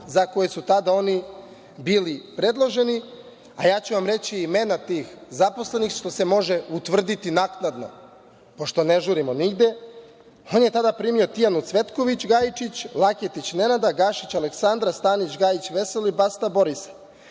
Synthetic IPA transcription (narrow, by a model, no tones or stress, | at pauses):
zako̞jesut̪ad̪ao̞ni | biːlipɾe̞d̪lˠo̞ʒe̞ni | a̰jaːt͡ɕuʋamɾe̞t͡ɕiːme̞nat̪iːxzapo̞sle̞nixʃt̪o̞semo̞ʒe̞ut̪ʋr̩d̪it̪inaknad̪no̞̰ | po̞ʃt̪o̞ne̞ʒuɾimo̞niɡd̪e̞ | o̞nje̞t̪ad̪apɾimio̞t̪ijanut̪sʋe̞t̪ko̞ʋit͡ɕɡajit͡ʃit͡ɕlˠaket̪it͡ɕne̞nad̪aɡaʃit͡ɕaleksand̪ɾast̪aːnit͡ɕɡajit͡ɕʋe̞selibast̪abo̞ɾisḁ